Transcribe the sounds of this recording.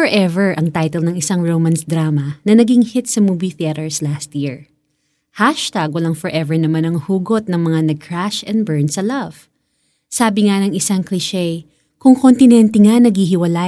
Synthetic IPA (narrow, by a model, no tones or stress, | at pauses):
fɔɹʔɛvɛɹʔɐŋt̪ajt̪ɛlnɐŋɪsaŋɹowmɐnsd̪ɾaːmɐnɐnɐɡiŋhɪt̪̚sɐmuːbiθiɛt̪ɛɹslast̪jiɹ | haʃt̪aɡ̚wɐlaŋfɔɹʔɛvɛɹnɐmanɐŋhuːɡot̪̚nɐŋmɐŋanɐɡ̚kʰɹaʃɛ̃nd̪̚bɛɹnsɐlɐv̥ | saːbɪŋanɐŋɪsaŋklɪʃɛj | kʊŋkont̪ɪnɛnt̪ɛŋanɐɡhiɦɪwɐla